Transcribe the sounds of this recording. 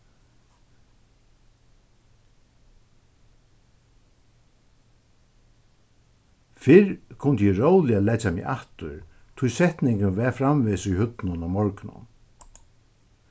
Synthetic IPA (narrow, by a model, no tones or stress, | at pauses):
fɪɾkʰʊnt̪əjɛɹowlɪalɛt͡ʃamḭʔaht̪ʊɾ | t̪ʰʊjsɛht̪nɪŋkɪnʋɛfɾamvɪsʊjhʏt̪nʊnamɔɹknʊ̰n